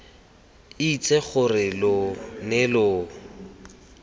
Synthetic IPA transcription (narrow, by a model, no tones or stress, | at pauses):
it͡sʼeχʊrɪlʊnɪlʊː